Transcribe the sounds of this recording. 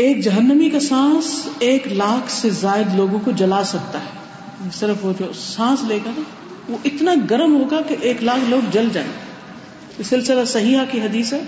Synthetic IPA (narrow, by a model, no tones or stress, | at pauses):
eːk̚d͡ʒɐɦənːəmikasãːseːklaːkʰsezaːɪd̪loːɡõkod͡ʒɐlaːsɐk̚t̪aɦɛː | esɪɾəfʋod͡ʒoːsãːsleːkəɾa | ʋoʔɪt̪naɡɐɾəmɦoːɡakeʔeːklaːkʰloːɡd͡ʒɐld͡ʒã̰ː | ɪsɪlsɪlasɐɦiɦakiɦɐd̪iːsɦɛː